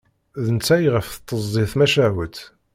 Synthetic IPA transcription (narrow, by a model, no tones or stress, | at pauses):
ðənt͡sːæjʁəfθə̥t̪ˤːəzˤːiθmæʃæwət̪